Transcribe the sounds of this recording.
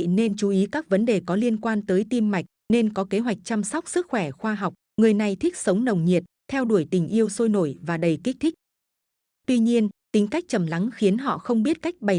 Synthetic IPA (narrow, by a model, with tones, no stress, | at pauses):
ne˧nt͡ɕu˨˦ʔi˨˦kaː˦˥k̚və˨˦nɗe˨˩kɔ˨˦li˧ənkwaː˧nt̪əː˨˦jt̪i˧mːa˨˩jk̟̚ne˧nkɔ˨˦ke˨˦ɦwa˨˩jk̚t͡ɕa˧msa˦˥wk͡p̚sɨ˦˥k̚xwɛ˧˩xwaː˧ɦa˨˩wk͡p̚ | ŋɨ˨˩əjna˨˩jt̪ʰi˦˥k̚sə˨˦wŋ͡mnə˨˩wŋ͡mɲi˨˩ət̚t̪ʰɛ˧wɗu˧˩əjt̪ï˨˩ŋ̟ʔi˧əwso˧jno˧˩jvaː˨˩ɗə˨˩jki˦˥k̚t̪ʰi˦˥k̚ | t̪wi˧ɲi˧ənt̪ï˨˦ŋ̟ka˦˥jk̚t͡ɕə˨˩mla˨˦ŋxi˨˦ənɦɔ̰˧˨xə˧wŋ͡mɓi˦˥ət̚ka˦˥jk̟̚ɓə˨˩